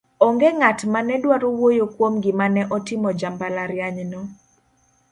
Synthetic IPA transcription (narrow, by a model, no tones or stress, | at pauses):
ɔŋɡeŋatmanɛdwaɾowojokwomɡɪmanɛʔɔtɪmɔd͡ʒambalaɾjaɲnɔ